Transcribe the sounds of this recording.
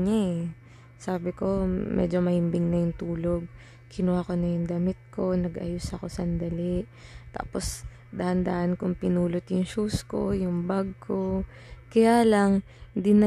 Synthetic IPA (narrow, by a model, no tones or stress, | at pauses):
ɲaɛ | saːbɪko̞mʔɛ̰d͡ʒo̞mɐhɪmbɪŋnɐjʊŋt̪uːloɡ̚ | kʰɪnuwakonɐjʊŋd̪ɐmɪt̪̚ko̞nɐɡʔɐ̰jʊsɐko̞sɐnd̪ɐliʔ | t̪a̰ːpos | d̪ɐhɐnd̪aːʔɐnkʊŋpɪnuːlot̪jʊŋʃuːsko̞̰jʊŋbɐɡ̚kʰo̞ | kɐjaːlɐŋ | d̪ɪnɐ